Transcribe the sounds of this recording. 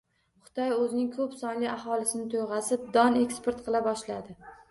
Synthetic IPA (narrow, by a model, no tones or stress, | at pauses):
χʊ̥t̪ʰɒjɵzɪnɪŋkʰɵpsɒnliaɦɒlɪsɪnɪt̪ʰojʁɑsɪp̚d̪ɒne̞kspe̞ɾt̪qʰɨlˠabɒʃlad̪ɪ